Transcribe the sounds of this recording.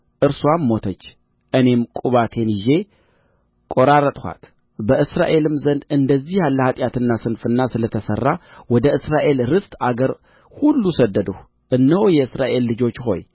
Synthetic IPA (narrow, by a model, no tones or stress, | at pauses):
ʔɨɾswamːo̞t̪ʰət͡ʃː | ʔɨne̞mkʼuβat̪ʰe̞nɪʒe̞ | kʼo̞ɾaɾət̪ʼha̰t̪ | bəʔɨsɾa̰ʔe̞lɨmzənd̪ɨnd̪əzːihjalːəhat̪ʼjat̪ʰɨnːasɨnfɨnːasɨlət̪ʰəsə̰rːawɔd̪əʔɨsɾaʔe̞lɾɨst̪ʼaɡəɾ | hulːusəd̪ːəd̪əh | ʔɨnːəwjɛɨsɾaʔe̞lːɨd͡ʒo̞t͡ʃːho̞̰j